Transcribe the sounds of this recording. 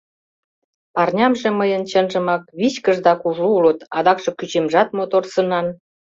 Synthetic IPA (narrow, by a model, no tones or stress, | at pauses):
pɑrnʲɑmʒĕməjənt͡ɕənʒə̆mɑk̚βit͡ɕkəʒd̪ɑkuʒuulə̆t̪ɑd̪ɑkʃɤ̆kyt͡ɕemʒɑt̪̚mot̪orsənɑn